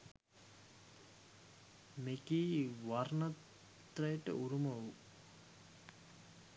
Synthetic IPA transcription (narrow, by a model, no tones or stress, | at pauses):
mekiːʋarnɐt̪ | rəjəʈə̰ʔuɾumɐʋu